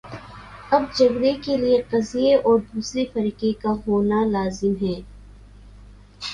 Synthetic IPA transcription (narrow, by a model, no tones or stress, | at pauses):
ɐb̚d͡ʒɐɡɾekelieqɐzijeʔɔːɾd̪uːsɾifɐɾiːqekaɦoːnalaːzɪmɦɛː